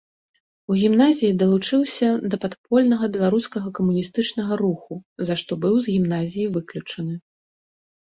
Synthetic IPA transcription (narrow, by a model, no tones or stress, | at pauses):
uɣʲimnazʲijid̪ɐlˠut͡ʂɨwsʲɐd̪ɐpat̪pɔlʲnɐɣɐbʲɛlˠaɾuskɐɣɐkɐmunʲist̪ɨt͡ʂnɐɣɐɾuxuzaʂt̪ɔbɨwzɣʲimnazʲijivɨklʲut͡ʂɐnɨ